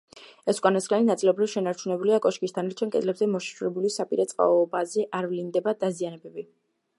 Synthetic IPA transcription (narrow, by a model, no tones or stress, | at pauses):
ɛskʼanasχʼlaninat̪sʼilˠɔbɾifʃɛnaɾt͡ʃʰunɛbuliakʼɔʃkʼistd̪ʰanaɾt͡ʃʰɛnkʼɛd̪lɛbzɛmɔʃḁʃuɾɛbulisapʼiɾɛt̪sʼqʼa̰ɔbazɛʔaɾvlind̪ɛbad̪azianɛbɛbi